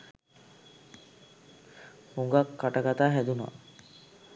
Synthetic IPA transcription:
huŋɡakːaʈaɡat̪aːɦæd̪una̰

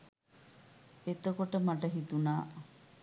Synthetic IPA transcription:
et̪okoʈəmɐʈɐɦit̪unaː

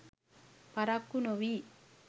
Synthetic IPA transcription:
paɾakːunoʋi

